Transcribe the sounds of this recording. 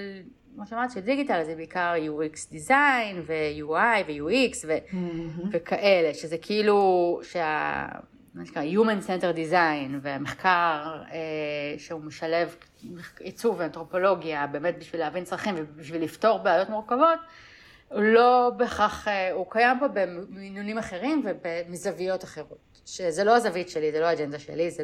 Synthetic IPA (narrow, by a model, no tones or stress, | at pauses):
l | maʃeamaʁt̪iʃeldiɡitalazebeikaʁjuiksd̪izajnvejuajvejuiksvevekʰaʔele̞ʃezekʰiiluʃea̰ | maʃkaajumensenteʁd̪izajnveameχkaʁeʃeumeʃale̞v | meχit͡suveantʁo̞po̞lo̞ɡiabe̞ːmet̚biʃvileavint͡sʁaχimvebiʃvilifto̞ʁbeajotmuʁkavo̞t | ulo̞beχaχeukajampobeminunimaχeʁimvebemizavijo̞taχe̞ʁo̞t | ʃezelo̞azavitʃelizelo̞aːd͡ʒend̪aʃḛliz